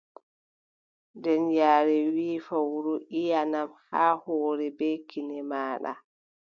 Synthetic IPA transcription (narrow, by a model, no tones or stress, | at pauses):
dɛnjaːɾɛwiːfawuɾuʔijanamhaːhɔːɾɛbɛkinɛmaːɗa̰